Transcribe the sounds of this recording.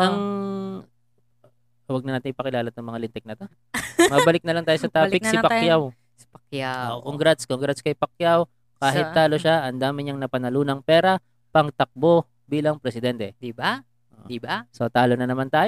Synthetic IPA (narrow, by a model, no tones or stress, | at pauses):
ʔɐŋ | wɐɡ̚nɐnaːt̪ɪnʔɪpɐkɪlaːlɐt̪ɐŋmɐŋalɪnt̪ɛk̚nɐt̪o | mɐbɐlɪk̚nɐlɐŋt̪aːjosɐt̪ɾaːpɪksɪpɐkjaw | spɐkjaoʔkoŋɡɾat̪skoŋɡɾɐskɐjpɐk̚jaw | kkaːɦɪtt̪ːaːloʃaʔɐnd̪aːmɪɲɐŋnɐpɐnɐluːnɐŋpɛːɾɐ | pɐŋt̪ɐk̚bo | biːlɐŋpɾɛsɪd̪ɛnt̪ɛd̪iba | ʔo̰ibasot̪aːlo̞nɐnɐmant̪aːj